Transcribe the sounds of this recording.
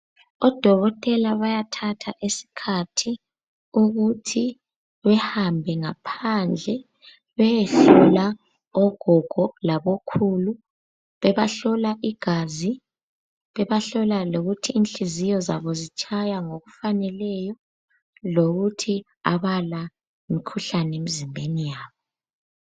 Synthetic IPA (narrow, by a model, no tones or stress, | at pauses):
ɔd̥ʱɔɣɔtʼɛlaβajatʰatʰaʔesi̥kʰatʰi | uɣutʰi | βɛhambʱɛŋapʰand͡ɮʱɛ | βɛjeɬula | ɔɡ̥ʱɔɡ̥ʱɔlaβokʰulu | βɛβaɬɔlaʔiɡ̥ʱazi | βɛβaɬɔlaloɣutʰiːnɬizijɔza̰βɔzit͡ʃʼʰajaŋoɣufanɛlɛjɔ | loɣutʰi | a̰βala | imikʰuɬanemizimbʱenijaːβɔ